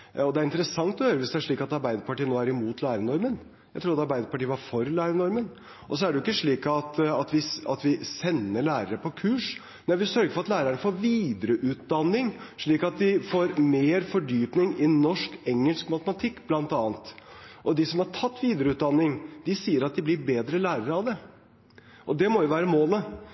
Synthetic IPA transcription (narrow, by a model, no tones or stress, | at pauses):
ɔd̪ɛæɾɪnt̪əɾəsɑŋt̪ɔhøːɾəʋɪsd̪ɛæʂɭiːkɑt̪ɑɾbæɪd̪əɾpɑʈiːənoːæɾɪmuːt̪læːɾənɔɾmən | jæɪt̪ʰɾuːɾɑt̪ɑɾbæɪd̪əɾpɑʈiːəʋɑɾfɔɾlæːɾənɔɾmən | ʔɔs̬ɔæɖɛjʊɪkːəʂɭiːkɑt̪ɑt̪ʋɪɑ̰t̪ʋɪsɛnːəɭæːɾəɾəpʰɔkʰʉːʂ | næɪʋɪsœɾɡəɾfɔɾɑt̪læːɾəəɳəfoːɾʋiːd̪əɾəʔʉːt̪̚d̪ɑnːɪŋʂɭiːkɑt̪̚d̪ɪfoːɾmeːɾfɔɖyːpnɪŋɪnːɔʂkɛŋːəlskmɑt̪əmɑt̪ʰɪkːblɑnt̪ɑːnt̪ʔɔd̪ɪsɔmhɑɾʈʰɑt̪ːʋiːd̪əɾəʉːt̪̚d̪ɑnːɪŋd̪̥ɪsiːəɾɑt̪̚d̪ɪblɪɾbeːd̪ɾəlæːɾəɾəɑʋd̪ɛ | ʔɔd̪ɛmɔjʊʋæːɾəmoːlə